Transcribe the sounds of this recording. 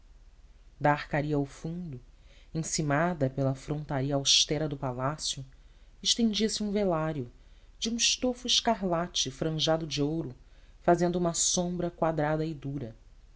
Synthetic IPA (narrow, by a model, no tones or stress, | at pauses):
d̪aːhkaɾiɐawfũd̪ʊẽsimad̪ɐpelɐfɾõnt̪aɾiɐawʃt̪ɛɾɐd̪ʊpalasjʊ | ɪʃt̪ẽd͡ʒiɐsɪũvelaɾjʊ | d͡ʒiũɪʃt̪ofʊɪʃkaɦlat͡ʃɪfɾɐ̃ʒad̪ʊd͡ʒiowɾʊfazẽnd̪ʊũmɐsõmbɾɐkwad̪ɾad̪ɐɪd̪uɾɐ